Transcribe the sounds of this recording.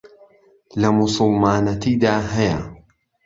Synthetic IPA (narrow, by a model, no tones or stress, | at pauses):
lɐmʊsˤɨlˠmaːnɐt̪iːd̪aːɦɐjɐ